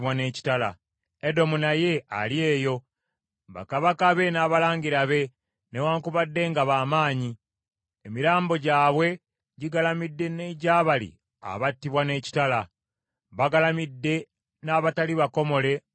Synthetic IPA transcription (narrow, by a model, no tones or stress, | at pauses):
wane̞ːci̥tala̰ | edo̞munaje̞a̰lje̞ːjo̞ | βa̰kaβakaβe̞naːβalaːɲɡiɾaβe̞ | newaːŋkuβadːe̞ŋɡaβaːmaːɲi | emiɾaːmbo̞ɟaːβwe̞ | ɟiɡalamidːe̞neɟaːβalḭ | a̰βatːiβwane̞ːci̥tala | βaɡalamidːe̞ | naːβataliβako̞mo̞le̞